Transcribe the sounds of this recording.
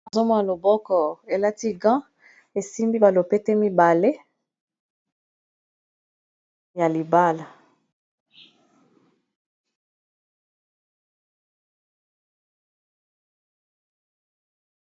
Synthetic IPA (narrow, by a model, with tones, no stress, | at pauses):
a˨zo˦mɔ˦a˨lo˨bɔ˦kɔ˨e˨la˦ti˦ɡã˦ | e˨si˦mbi˦ba˨lo˨pe˦te˦mi˦ba˨le˦ | ja˨li˨ba˦la˨